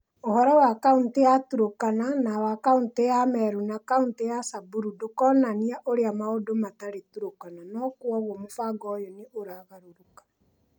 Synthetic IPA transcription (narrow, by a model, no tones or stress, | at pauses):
ohɔɾɔwakauntejatuɾokananawakauntejamɛɾunakauntejasabuɾudokɔnaniaʔoɾeamaodomataɾetuɾokananɔkwɔɣɔmofaɡɔjɔneʔoɾaɣaɾoɾokḁ